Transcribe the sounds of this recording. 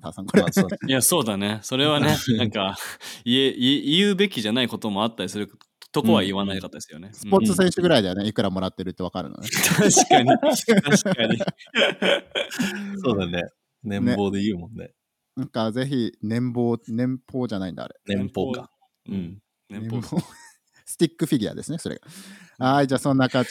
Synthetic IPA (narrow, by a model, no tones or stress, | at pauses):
t̪a̰sãŋkoɾejaso̞ːd̪ane̞so̞ɾe̞βanenãŋkaieʔiijɯ̟be̞kʲiʑanaiko̞t̪o̞mo̞at̪ːaɾʲisɨɾɯ̟k | t̪okoβaiβanaikat̪ːad̪sɨjo̞ne̞sɨ̥po̞t͡sɨs̬ẽ̞ɕɨɡɯ̟ɾaid̪e̞aneikɯ̟ɾamo̞ɾat̪ːe̞ɾɯ̟t̪ːe̞βakaɾɯ̟̰no̰net̪ʰaɕkaɲit̪aɕkaɲi | soːd̪ane | nẽ̞ne̞bo̞ːd̪eijɯ̟ːmõnːe | nãŋkaze̞çinẽ̞mbo̞ːnẽ̞mpʰo̞ːʑanaĩnd̪a̰ːɾe̞nẽmpoɡa | ɯ̃ɴ | ẽo | sɨ̥t̪ʲikːɯ̟ɸʲiɡʲia̰d̪e̞sɨne̞so̞ɾeɡa̰aid͡ʑaːsõ̞nːakã